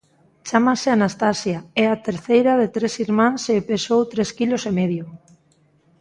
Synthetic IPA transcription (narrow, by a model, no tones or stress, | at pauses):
t͡ʃamaseanast̪asjaɛat̪eɾθejɾaðet̪ɾesiɾmãnsepesowt̪ɾeskilosemeðjo